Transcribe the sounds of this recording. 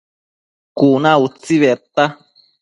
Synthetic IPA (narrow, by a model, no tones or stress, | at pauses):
kunãut͡siβɛt̪a